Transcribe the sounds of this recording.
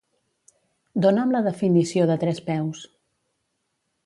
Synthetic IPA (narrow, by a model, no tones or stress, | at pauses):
d̪onamləðəfinisioðət̪ɾɛspɛws